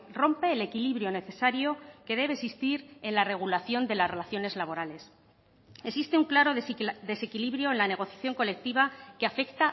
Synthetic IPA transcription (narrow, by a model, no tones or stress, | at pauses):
ro̞mpe̞ːle̞kiliβɾjo̞ne̞θe̞saɾjo̞ke̞ðe̞βesist̪iɾe̞nlare̞ɣulaθjo̞nd̪e̞lasre̞laθjo̞ne̞zlaβo̞ɾale̞s | esist̪e̞uŋklaɾo̞ðe̞se̞kiliβɾjo̞enlane̞ɣ̞o̞θjaθjo̞ŋko̞le̞k̚t̪iβ̞akeafe̞kt̪a